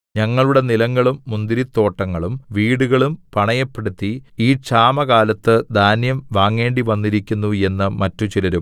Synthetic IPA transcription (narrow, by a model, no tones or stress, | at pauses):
ɲɐŋːɐɭuɽe̞nilɐŋːɐɭumːund̪iɾit̪ːo̞ːʈːɐŋːɐɭumʋiːɽuɣɐɭumpɐɳɐjɐpːe̞ɽut̪ːiiːt͡ɕaːmɐɣaːlɐt̪ːɨd̪ʱaːnjɐmʋaːŋːe̞ːɳɖiʋɐnːiɾikʲːunːue̞nːɨmɐtːut͡ɕilɐɾum